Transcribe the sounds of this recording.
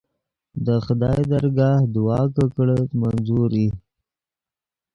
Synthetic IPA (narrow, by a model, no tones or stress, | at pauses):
d̪əxʊd̪ɑːjd̪aɾɡɑhd̪ʊwɑːkəkɽət̪manzuɾi